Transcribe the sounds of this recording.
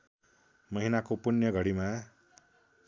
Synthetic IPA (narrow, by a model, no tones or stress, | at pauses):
mʌɦinakopunjʌɡʱʌɽimã